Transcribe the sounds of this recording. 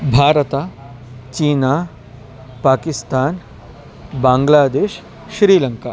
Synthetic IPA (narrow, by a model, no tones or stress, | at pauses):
bʱaːɾət̪aː | t͡ʃiːnaː | paːkɪst̪aːn | bãːŋɡlaːd̪eːʃ | ʃɾiːlɐŋkaː